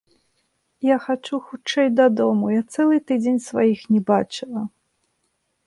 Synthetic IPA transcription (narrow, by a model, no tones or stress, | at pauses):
jaxat͡ʂuxut͡ʂɛjd̪ɐd̪ɔmujat̪sɛlˠɨt̪ɨd͡zʲenʲsva̰jixnʲɛbat͡ʂɨlˠɐ